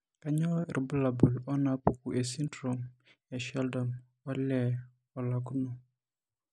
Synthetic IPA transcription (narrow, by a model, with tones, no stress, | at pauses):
ka˦ɲɔ˦˨ɾi˨bu˦la˨bu˨lɔ˦na˨pu˦ku˨ʔe˨si˦ntɾo˨m | ɛ˨ʃɛ˦ldɔ˨m | ɔ˦lɛ˨ | ɔ˨la˨ku˦no˨